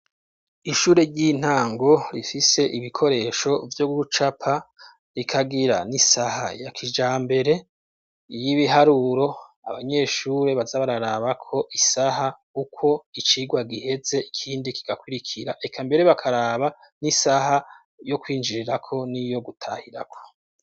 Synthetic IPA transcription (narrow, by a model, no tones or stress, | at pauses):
iʃuːɾe̞ɾɟin̥haːŋɡo̞ɾifise̞ʔiβikʰo̞ɾe̞ːʃo̞vjoɡuut͡ʃapʰa | ɾikʰaɡiɾanisaha̰jakʰid͡ʒaːmbe̞ɾe̞ | jiβiɦaɾuɾo̞ | a̰βaɲe̞ʃuːɾe̞βazaβaɾaɾaːβakʰo̞ʔisaɦa | ukʰo̞it͡ʃiɡwaɡihe̞ze̞ikʰiːndiki̥ɡ̥akwiɾikʰiɾaʔekʰambe̞ɾe̞βakʰaɾaːβa | nisaha | jo̞kwiːnd͡ʒiɾiɾakʰo̞nijo̞ɡutʰahiɾa̰kʰo̞̥